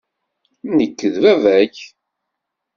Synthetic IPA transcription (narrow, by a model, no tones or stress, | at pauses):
nəkːəðvævæç